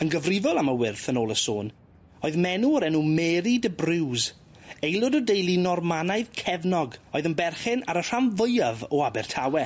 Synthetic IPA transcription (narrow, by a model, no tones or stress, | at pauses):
ənɡəvrɪvɔlˠaməwɪrθənoːlˠəso̰ːn | oɨðmɛnuɔɾɛnumɛːɾidəbrɪwz | ejlˠʊdɔdejlˠinɔrmanajðkʰɛvnɔɡoːɨðənbɛrχɪna̰ɾər̥amvəjavɔabɛrtʰawɛ